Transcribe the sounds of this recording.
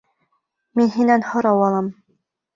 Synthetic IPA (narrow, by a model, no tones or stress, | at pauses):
minɦinænhoɾɑwɑlˠɑm